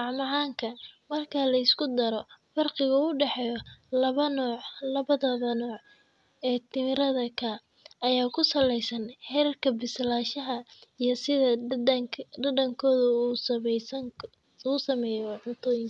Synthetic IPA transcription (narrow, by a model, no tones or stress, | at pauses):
ɑʕmɑʕaːŋkʰɐmɐrkʰɐlɐɪskʰʊd̪ɐɾɔfɐrqɪɣɐʊɖɛħɛjɔlɐβɐnɔʕlɐβɐðɐðɐnɔːʕ | ɛːt̪ʰɪmɪɾɐðɐkʰa | ɐjaːkʰʊsɐlɛjsɐnħɛɾɐrkʰɐbɪslaːʃɐɦɐijɞsɪðɐ | ɖɐdɐŋkʰɔːðɐuːss | uːsɐmɛːjɔʕʊnt̪ʰɔːjɪŋ